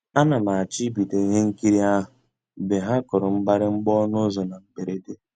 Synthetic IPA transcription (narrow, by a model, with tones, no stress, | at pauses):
a˦na˨ma˨a˨t͡ʃi˦bi˨de˨i˦ɦe˦ŋ̩˦ki˦ɾi˦a˦ɦʊ˨ | be˨ɦa˦kʊ˨ɾʊ˨ŋ͡m̩˦ɡ͡ba˦ɾɪ˦ŋ͡m̩˦ɡ͡bɔ˦nʊ˦zɔ˨na˨m̩˨be˨ɾe˦de˦